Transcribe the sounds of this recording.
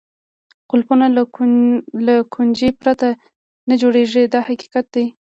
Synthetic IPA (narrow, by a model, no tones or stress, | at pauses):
qʊlpuna | lakʰund͡ʒepɾat̪a | nad͡ʒoɽeʐed̪ɑhaqi̥qat̪̚d̪aj